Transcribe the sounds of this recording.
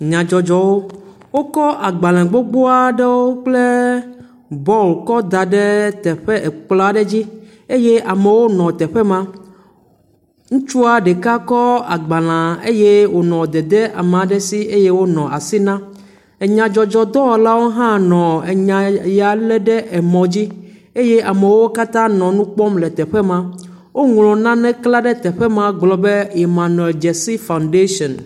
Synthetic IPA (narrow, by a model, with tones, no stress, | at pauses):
ɲã˨d͡ʒɔ˨d͡ʒɔ˨wo˦ | wo˦kɔ˦ʔa˨ɡ͡ba˨l̃ã˨ɡ͡bo˦ɡ͡bo˦a˦ɖe˦wo˦k͡ple˦ | bɔ˦lkɔ˦d̪a˨ɖe˦t̪ɛ˨ɸe˦e˨k͡pla˦ɖe˦d͡ʑi˦ | e˦je˦ʔa˨me˨wo˦nɔ̃˨t̪ɛ˨ɸe˦mã˦ | ŋũ˦t͡ʃu˦a˨ɖe˨ka˦kɔ˦a˨ɡ͡ba˨l̃ã˨e˦je˦wo˨nɔ̃˨d̪ɛ˨d̪ɛ˦ʔa˨m˨ã˨ɖɛ˦si˦e˦je˦wo˦nɔ̃˨a˨si˦nã˦ | e˨ɲã˨d͡ʒɔ˨d͡ʒɔ˨d̪ɔ˦˨la˦wo˦ɦã˦nɔ̃˨e˨ɲã˨ja˨lɛ˦ɖɛ˦ʔɛ˨mɔ̃˨d͡ʑi˦e˦je˦a˨mɛ˨wo˦ka˦t̪ã˦nɔ̃˨nũ˦k͡pɔ˦mlɛ˨t̪ɛ˨ɸɛ˦mã˦ | wo˦ŋlɔ̃˨nã˦nɛ̃˦kla˦ɖɛ˦t̪ɛ˨ɸɛ˦mã˦ɡ͡blɔ˦be˦i˨mã˨nɛ˨ld͡ʒɛ˨si˦fa˨wnɖe˦ʃɔ̃˨n